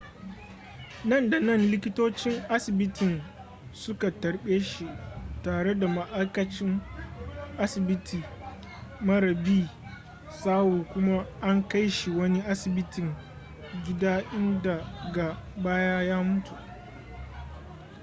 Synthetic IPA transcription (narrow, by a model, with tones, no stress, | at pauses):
nɐ˦˨nda˨nɐ˦˨nlɪ˦kʲɪ˦toː˦t͡ʃɪ˦ŋʔa˦sɪ˨bɪ˦tɪ˨n | sʊ˦ka˨tɐ˨ɽɓeː˦ʃi˨taː˨ɽe˦da˨ma˦ʔa˦jkɐ˦t͡ʃɪ˦m | ʔa˦sɪ˨bɪ˦tʰiː˨ | mɐ˦ɽɐ˨biː˦˨ | saː˦wuː˨kʷʊ˦ma˦ʔa˦ŋka˦jʃi˨wɐ˦ni˦ʔa˦sɪ˨bɪ˦tɪ˨ŋ | ɡʲɪ˦daː˦ʔɪ˦nda˨ɡa˨baː˦jaː˦jaː˦mʊ˦tu˨ʔ